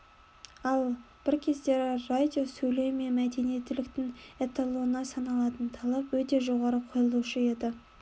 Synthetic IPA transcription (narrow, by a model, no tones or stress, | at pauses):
ɑlˠ | b̥ɪɾkʲʰe̞zd̪e̞ɾɪrad̪ʲio̞sɵjle̞wɪme̞nmæd̪e̞nijet̪ːɪlɪkt̪ɪŋet̪alˠunɑsɑnɑlˠɑt̪ənt̪ʰɑlˠɑpwɵt̪e̞ʒo̞ʁɑɾəqʰo̞jəlˠuʃəje̞d̪ɪ